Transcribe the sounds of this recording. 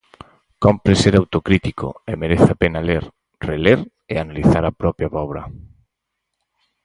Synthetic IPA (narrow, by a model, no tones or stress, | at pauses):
kompɾeseɾawt̪okɾit̪iko̰emeɾeθapenaleɾ | releɾ | eanaliθaɾapɾɔpjaβɔβɾɐ